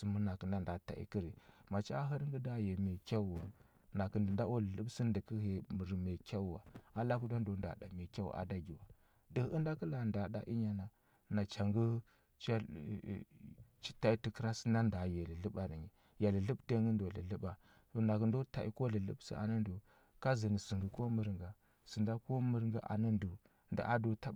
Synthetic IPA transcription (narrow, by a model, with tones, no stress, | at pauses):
su˨mu˦na˨ki˨nda˦nda˨ta̰˨ḭ˨ki˦ɾi˨ma˨t͡ʃi˦a˦ɦə˦ɾŋɡə˦da˦je˨me˨kʲa˦u˨wa̰˨ | na˨kə˨ndə˨nda˦o˦lə˨lə˦bsi˦ndə˨kə˦ɦe˨m˨ɾi˨me˨kʲa˦wu˦˨wa̰˨a˦la˦ku˦da˦ndo˨nda̰˨da̰˨me˨kʲa˦wṵ˨ʔa̰˨da˦ɡi˨wa˨ | də˨˦ə˦nda˦kə˦la˨nda˨ɗa̰˨ʔi˦ɲa˨na˨ | na˨t͡ʃa˨ŋɡu˦ | t͡ʃa̰˦˨ | t͡ʃi̥˦ta˦i˦ti˨kə˦ɾa˦sə̥˦nda˦nda˨ja˨li˨lə˦ɓa˨ɾi˨ɲi˨ | ja˨li˨lə˦bte˦ŋɡə˦ndo˨lə̰˨lə˦ɓa˨ | to˨na˨kə˨ndo˦ta˨i˨ko˦lə˨lə̰˦bsḭ˦a̰˨na˦ndu˨ | ka˦zi˨ni˨si˨ŋɡi˨ko˦mə˦ɾŋɡa˨ | si˨nda˦ko˦mə˦ɾŋɡa˦ʔa̰˨nə˦ndu˨ | nda̰˨ʔa˦do˨ta˦˨